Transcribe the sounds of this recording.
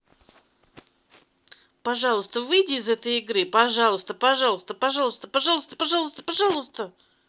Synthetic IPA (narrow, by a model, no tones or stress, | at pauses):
pɐʐɑlˠəst̪əvɨjdʲiɪzɛt̪əjɪɡɾɨpɐʐɑlˠəst̪əpɐʐɑlˠəst̪əpɐʐɑlˠəst̪əpɐʐɑlˠst̪ə̥pɐʐɑlˠəst̪ə̥pɐʐɑlˠʊst̪ə